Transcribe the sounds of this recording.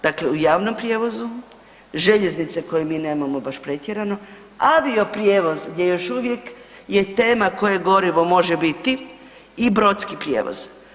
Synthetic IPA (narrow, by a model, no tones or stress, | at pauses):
d̪̥akleujaːʋno̞mpɾjeːʋo̞zu | ʒe̞ʎeznit̪seko̞jemiːne̞ːmamo̞baʃpɾe̞t̪jeɾano̞ | aʋio̞pɾjeːʋo̞zɡd̪je̞joʃuʋje̞k | je̞t̪e̞ːmako̞jeɡo̞ɾiʋo̞mo̞ʒebit̪i | ibɾo̞t̪skipɾʲjḛːʋo̰z̥